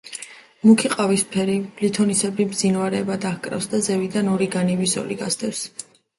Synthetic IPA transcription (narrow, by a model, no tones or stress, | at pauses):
mukʰiqʼavispʰɛɾiblit̪ʰɔnisɛbibd̪zinvaɾɛːbad̪aχkʼɾa̰fsd̪azɛvid̪anɔɾiɡanivisɔ̰liɡasd̪ɛfs